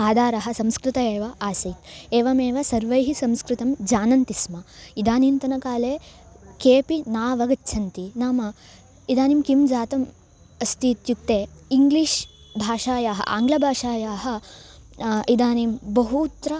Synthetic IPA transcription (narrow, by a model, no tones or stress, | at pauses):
aːd̪ʱaːɾɐɦɐ̆sɐmskɾɪt̪ɐeːʋɐʔaːsɐjt̪eːʋɐmeːʋɐsɐɾʋɐjɦisɐmskɾɪt̪ɐmd͡ʒaːnɐnt̪ismɐid̪aːniːnt̪ɐnɐkaːleː | keːpinaːʋɐɡɐt͡ʃːt͡ʃʰɐnt̪inaːmɐ | id̪aːnimkimd͡ʒaːt̪ɐm | ɐst̪iːt̪juk̚t̪eːiŋɡliːʂ | bʱaːʂaːjaːɦɐ̰ʔa̰ːŋɡlɐbʱaːʂaːjaːɦɐ̆ | id̪aːnimbɐɦut̪ːɾɐ